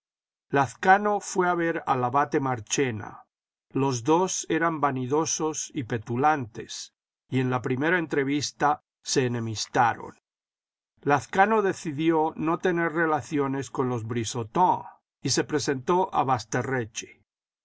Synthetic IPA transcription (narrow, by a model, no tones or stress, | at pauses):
laθkano̞fwe̞aβe̞ɾa̰laβat̪e̞maɾt͡ʃe̞na̰ | lo̞zðo̞seɾambaniðo̞so̞sipe̞t̪ulant̪e̞s | ie̞nlapɾime̞ɾaent̪ɾe̞βist̪a | se̞ːnẽ̞mist̪aɾo̰n | laθkano̞ðe̞θiðjo̞no̞t̪e̞ne̞ɾre̞laθjo̞ne̞skonlo̞zβɾisot̪õ | ise̞pɾe̞se̞nt̪o̞ʔa̰βast̪e̞ret͡ʃe̥